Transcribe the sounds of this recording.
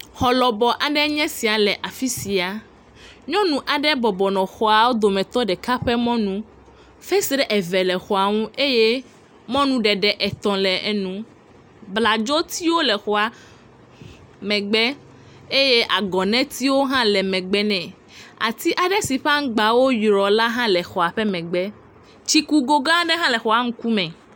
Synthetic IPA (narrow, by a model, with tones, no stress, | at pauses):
xɔ˨lɔ˨bɔ˨ʔa˨ɖɛ˦ɲɛ̃˦si˨a˨lɛ˨ʔa˨fi˦si˨a˨ | ɲɔ̃˦nũ˨ʔa˨ɖɛ˦bɔ˨bɔ˨nɔ̃˨xɔ˨a˨wo˦d̪o˨mɛ̃˨t̪ɔ˦ɖɛ˨ka˦ɸɛ˦mɔ̃˦nũ˦ | fɛ˦si˦ɖɛ˦ʔɛ˨vɛ˨lɛ˨xɔ˨a˨ŋũ˦e˦je˦ | mɔ̃˦nũ˦ɖɛ˨ɖɛ˨ʔɛ˨t̪ɔ̃˨lɛ˨ɛ˦nũ˦ | bla˨d͡ʒɔ˦t̪i˦wo˦lɛ˨xɔ˨a˨ | mɛ̃˨ɡ͡bɛ˦ | e˦je˦ʔa˨ɡɔ˨nɛ̃˦t̪i˦wo˦ɦã˦lɛ˨mɛ̃˨ɡ͡bɛ˦nɛ̃˨ | a̰˨t̪i˦ʔa˨ɖɛ˦si˨ɸa˦ŋ˦ɡ͡ba˨wo˦jɾɔ˨la˦ɦã˦lɛ˨xɔ˨a˨ɸɛ˦mɛ̃˨ɡ͡bɛ˦ | t͡ʃi˦ku˦ɡo˦ɡã˦ɖɛ˦ɦã˦lɛ˨xɔ˨a˨ŋ̩̃˦ku˦mɛ̃˨